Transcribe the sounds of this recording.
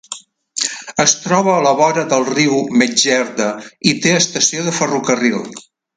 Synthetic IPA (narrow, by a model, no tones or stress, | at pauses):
əst̪ɾɔβəːləβɔɾəðəlˠriwmed͡ʒɛɾðəit̪eəst̪əsioðəfərukərilˠ